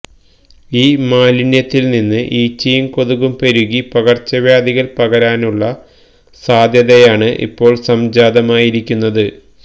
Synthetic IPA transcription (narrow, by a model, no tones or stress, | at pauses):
iːmaːlinjɐt̪ːilninːɨʔiːt͡ɕːɐjumko̞ðuɣumpeɾuɣipɐɣɐrt͡ɕːɐʋjaːd̪iɣɐlpɐɣɐɾaːnuɭːɐ | saːd̪ʱjɐðɐjaːɳɨʔḭpːo̞ːɭsɐmd͡ʑaːd̪ɐmaːjiɾikʲːunːɐðɨ